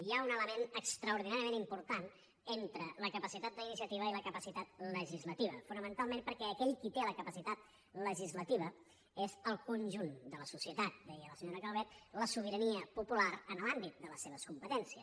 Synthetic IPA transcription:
iaunələmenəkst̪ɾəuɾð̞inaɾiəmenimpuɾt̪an | ent̪ɾələkəpəsit̪at̪̚d̪əinis̬iət̪iβ̞əiləkəpəsit̪at̪̚ləʒizlət̪iβə̰funəmənt̪alˠmẽmpəɾkɛəkɛʎkit̪eləkəpəsit̪at̪̚ | ləʒizlət̪iβ̞ə | ezəlˠkunʲʒund̪ələsusiət̪at̪̚d̪ɛjələsəɲoɾəkəlˠβɛt̪ləsuβ̞iɾəniəpupulaɾənəlambit̪̚d̪ələsːeβ̞əskumpət̪ɛnsiə

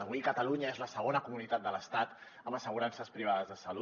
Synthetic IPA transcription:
əβikət̪əluɲəezləsəɣ̞onəkumunit̪at̪̚d̪ələst̪at̪ | əməsəɣ̞uɾansəspɾiβ̞aðəzðəsəlu

